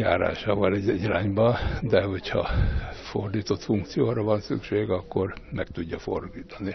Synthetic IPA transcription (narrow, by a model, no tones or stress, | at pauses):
ja̰ːɾa̰ːʃaːvɒlɛɟɛɟraːɲbɒnd̪ɛho̞chɒ̰fo̞̰rd̪iːt̪o̞t̪fuŋkt̪sijoːɾɒvɒnsy̰kʃeːɡɒkːo̞rmɛkt̪uɟːɒfo̞̰rd̪iːt̪ɒni